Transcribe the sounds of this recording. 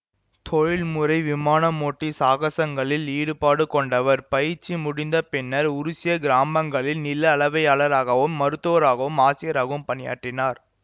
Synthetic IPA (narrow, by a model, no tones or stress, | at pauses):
t̪ʰɔɻɪɭmɯɾɐɪʋɪmaːnɐmoːʈːisaːɣɐsɐŋɡɐɭɪliːɽɯpaːɽɯkɔɳɖɐʋɐɾpɐjɪɾt͡ʃːimʊɽɪnd̪ɐpɪnːɐɾʊɾʊsɪjɐɡɪɾaːmɐŋɡɐɭɪlnɪlːɐːɭɐʋɐɪaːɭɐɾaːɣɐʋɯmːɐɾɯt̪ːoːɾaːɣɐʋɯmaːsɪjɐɾaːɣɐɯmpɐnɪja̰ːʈːrɪnaːɾ